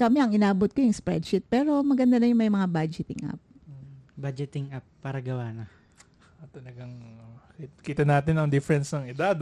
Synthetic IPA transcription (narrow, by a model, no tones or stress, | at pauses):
kɐmɛɐŋɪnaːbot̪̚kojʊŋspɾɛ̰d̪̚ʃɪt̪̚pɛːɾo̞mɐɡɐnd̪anɐjʊŋmɐjmɐŋabad͡ʒɪt̪ɪŋʔa̰p̚obad͡ʒɛt̪ɪŋʔap̚ːaːɾɐɡɐwaːnɐ | t̪ɐlɐɡaŋkikiːt̪ɐnaːt̪ɪnɐŋd̪ɪfɛɾɛnsnɐŋɪd̪ad̪